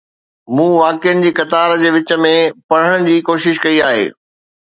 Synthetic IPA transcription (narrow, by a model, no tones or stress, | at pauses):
mũːʋaːkɪjənɪ̆d͡ʑiːkɐt̪aːɾd͡ʑeːʋɪt͡ɕə̆mẽpɐɽ̤əɽ̃d͡ʑiːkoːʃɪʃkɐiaːɦḛː